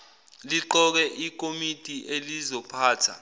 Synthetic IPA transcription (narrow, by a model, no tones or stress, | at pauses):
liǃɔk̬ɛʔik̬ʼomitʼiʔelizɔpʰaːtʰa̰